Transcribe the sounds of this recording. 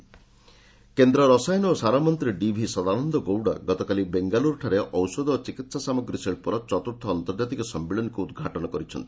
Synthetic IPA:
kend̪ɾɔɾɔsajnosaɾamɔnt̪ɾiɖibʱisɔd̪anɔnd̪ɔɡowɽa̰ɡɔt̪ɔkalibeŋɡaluɾʈʰaɾeʔɔwsɔd̪ɔt͡ʃikit̪sasamɔɡɾiseɭpuɾɔt͡ʃɔt̪uɾt̪ʰɔːnt̪ɔɾd͡ʒat̪ikɔsɔmːiɭɔnkuːd̪ɡʱaʈɔnɔkɔɾit͡ʃʰɔ̰nt̪i̥

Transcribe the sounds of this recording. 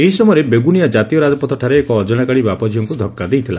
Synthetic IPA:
eɦisɔmɔjɾebeɡunijad͡ʒat̪ijɔɾad͡ʒɔpɔt̪ʰɔʈʰaɾeːkɔːd͡ʒɔɽ̃akaɽibapɔd͡ʒʱijɔŋkud̪ʱɔkːad̪ejt̪ʰila

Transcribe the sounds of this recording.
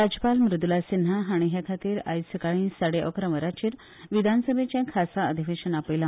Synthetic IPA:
ɾad͡ʑəpalmɾud̪ulasinɦaɦaɽ̃iɦjakʰat̪iːɾa̰jsəkaɭ̃ĩsəɽeʔə̰kɾəməɾat͡ɕiːɾ | ʋid̪ʱansəbʱet͡ɕẽkʰasaəd̪ʱiʋeɕənapəjlã

